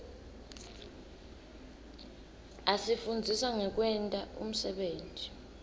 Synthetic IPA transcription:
asifund͡zʱisaŋɛk̬wɛntʼaṵm̩sɛɓeːntʼi̥

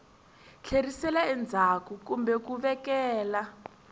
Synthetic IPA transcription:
ɬʰerisɛlaɛnd͡zʱakukumbɛkuβɛkɛːla

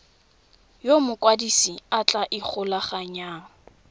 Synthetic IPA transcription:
jomʊkʼwadisiat͡ɬʼaʔɪk͡xʰʊlaχaɲaːŋ̩

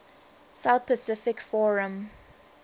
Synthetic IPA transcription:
saʊθpʰəsɪfɪkfɔɹə̃m

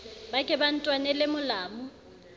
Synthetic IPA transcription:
bakʼɛban̩tʼwanɛlɪmʊlaːmʊ

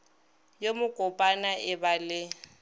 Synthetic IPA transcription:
jomʊkʼʊpʼanaʔɪbalɪ

